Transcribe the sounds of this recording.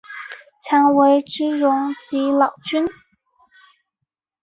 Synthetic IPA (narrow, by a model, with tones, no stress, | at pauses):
t͡ɕʰjɑ˧˥ŋwe˧˥ɪʈ͡ʂɻ̩˥ɻʊ˧˥ŋt͡ɕi˧˥lɑ˨˩ʊt͡ɕy˥n